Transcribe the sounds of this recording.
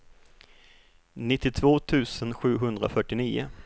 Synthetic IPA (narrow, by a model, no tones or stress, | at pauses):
nɪt̪ːɪt̪ʰvoːt̪ʰʉ̟ːsənɧʉ̟ːɦɵnd̪ɾa̰fœʈːɪniːʊ̰